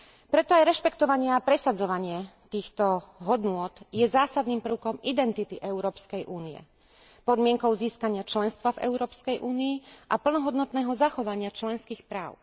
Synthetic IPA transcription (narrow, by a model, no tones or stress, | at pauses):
pɾɛt̪ɔajɾɛʃpɛkt̪ɔʋaɲɪɛapɾɛsad͡zɔʋaɲɪɛt̪iːxt̪ɔɦɔd̪nʊɔt̪jɛzaːsad̪niːmpr̩ʊkɔmʔid̪ɛnt̪it̪iʔɛʊɾɔːpskɛjʔuːnijɛ̰ | pɔd̪mɪɛŋkɔʊziːskaɲɪat͡ʃlɛnst̪ʋavɛ̰ʊɾɔːpskɛjʔuːniːʔapl̩nɔɦɔd̪nɔt̪nɛːɦɔzaxɔʋaɲɪat͡ʃlɛnskiːxpɾaːʊ